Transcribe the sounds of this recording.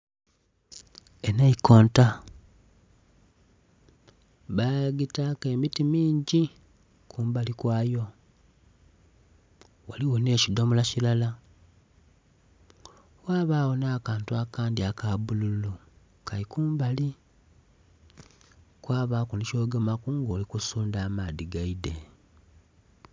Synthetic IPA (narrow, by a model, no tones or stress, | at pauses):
enaiko̞ːnta | βaɡitake̞ːmitimiːɲɟi | kʰuːmbalikwaːjo̞ | waliwone̞ːcidomulacilala | waːβaːwo̞naːkaːntuakaːndiakaβululu | kʰalikuːmbali | kwaːβakunico̞ːɡemakuŋɡo̞ːlikusuːndaːmaːðiɡaide